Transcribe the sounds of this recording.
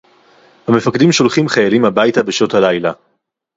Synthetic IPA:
hame̞faked̪imʃo̞lχimχajalimhabajtabeʃothalajla

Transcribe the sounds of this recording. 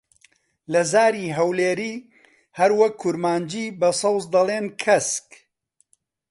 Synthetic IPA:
lɐzaːɾiːɦɐwleːɾiː | hɐɾwɐkʰːʊɾmaːnd͡ʒiːbɐsˤɑwzd̪ɐlˠeːnkʰɐsk

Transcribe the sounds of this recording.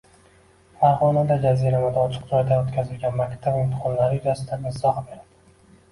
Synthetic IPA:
faɾʁɒnad̪ad͡ʒazijɾamɪd̪aɒt͡ʃʰɨ̥qd͡ʒɒjd̪aot̪kʲʰazɪlɡʲanmakʲt̪ʰabɪmt̪ʰɪ̥qʰɒnlaɾɪjʊzasɪd̪anɪzɒhbe̞ɾad̪̥ɪ

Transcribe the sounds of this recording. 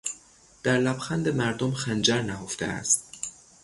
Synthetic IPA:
d̪̥æɾlæbxænd̪emæɾd̪omxænd͡ʒæɾnæɦoft̪ḛæ̰st̪̚

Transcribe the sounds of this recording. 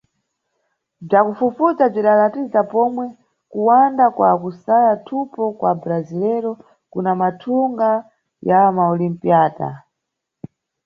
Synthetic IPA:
b͡ʐakufufut͡sab͡ʐiɗalatizapɔmwɛ | kuwandakwa̰kusajatʰupɔkwabɾazilɛɾɔ | kunamatʰuŋɡa | jamaɔlimpiaːta̰

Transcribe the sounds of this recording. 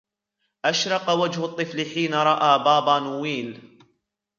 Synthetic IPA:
ʔaʃɾˤɑqɑwad͡ʒhʊt̪ˤːɨflɪħiːnaɾˤɑʔaːbaːbaːnuwiːl

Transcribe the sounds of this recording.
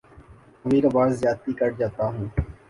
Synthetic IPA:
əmĩːɾabaːzːjaːt̪iːkəɾd͡ʒaːt̪aːɦũː

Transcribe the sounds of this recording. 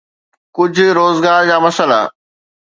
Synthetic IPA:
kʊd͡ʑ̆ʱɾoːzɡaːɾd͡ʑaːmɐsəla̰

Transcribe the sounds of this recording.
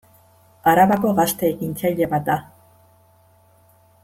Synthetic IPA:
aɾaβako̞ɣast̪eːɣint͡sajʎeβat̪̚d̪a

